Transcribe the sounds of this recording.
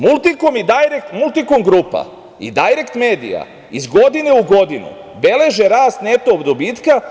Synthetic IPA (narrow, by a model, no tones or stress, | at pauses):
mulˠt̪ikomid̪ajɾekt̪mulˠt̪ikomɡɾuːpa̰ | ḭd̪ajɾekt̪me̞ːd̪ḭja̰ | izɡo̞d̪ine̞uɡo̞d̪inṵ | be̞le̞ʒe̞ɾaːst̪ne̞t̪oːbd̪obiːt̪ka